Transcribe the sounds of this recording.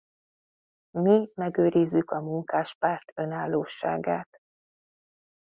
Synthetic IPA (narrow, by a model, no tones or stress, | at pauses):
mimɛɡøːɾizːykɒmuŋkaːʃpaːrt̪ø̞naːlːoːʃːa̰ːɡaːt̪